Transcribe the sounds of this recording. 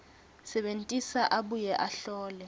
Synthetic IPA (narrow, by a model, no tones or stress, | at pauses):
sɛɓentʼisaʔaɓujɛʔaɬɔːlɛ